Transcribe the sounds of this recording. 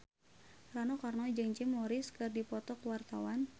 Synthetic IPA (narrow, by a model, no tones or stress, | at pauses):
ranɔkarnɔd͡ʒɨŋt͡ʃɪmːɔɾɪskɨrdipɔt̪ɔkuwart̪awan